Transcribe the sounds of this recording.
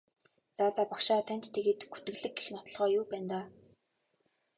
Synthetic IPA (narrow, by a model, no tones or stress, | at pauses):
t͡saːt͡saːpakʃaːt̪ʰæn̥t͡ɕt̪ʰeɣeːt̪ɡut̪ɘ̆ɣɮɘ̆ɡ̚ɡexnɔt̪ɞ̆ɮʁœːjuːpæːnt̪aː